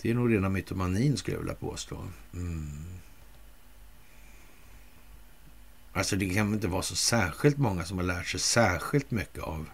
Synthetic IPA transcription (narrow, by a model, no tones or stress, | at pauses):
d̪̥ɛːɳuːɡɾeːnamʏt̪ʰːʊmaniːnskɵlja̰ɪ̰lːa̰pʰo̰ːst̪ʰo̰ː | alsɔd̪ɛkʰanɪnt̪əvɑːsɔsæːɾɧɪlt̪mɔŋːasɔmhaɭæːʈʂɛjsæːɾɧɪlt̪mʏkːəav